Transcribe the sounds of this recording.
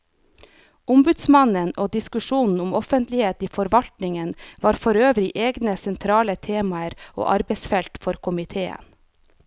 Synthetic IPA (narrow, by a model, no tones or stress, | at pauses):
ʔʊmbʉd̪smɑnənʔoːd̪ɪskʉʃuːnn̩ʊmɔfənt̪lɪheːt̪iːfɔɾʋɑlt̪nɪŋənʋɑːɾfɔɾøːʋɾɪʔeːɡnəsɛnt̪ʰɾɑːlət̪ʰeːmɑəɾo̰ːʔɑɾbɛɪsfɛlt̪fɔɾkʰʊmɪt̪ʰeːə̰n